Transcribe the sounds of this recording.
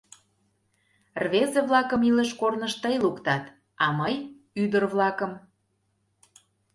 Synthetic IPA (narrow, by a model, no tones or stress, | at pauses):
rβezəβlɑkəmiləʃkornəʃt̪əjlukt̪ɑt̪ | ɑməj | yd̪ərβlɑkəm